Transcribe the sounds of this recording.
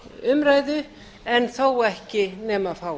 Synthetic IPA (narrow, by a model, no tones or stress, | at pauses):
ʏmɾaːjðʏ | ɛnθowɛhcɪnɛːmafaːw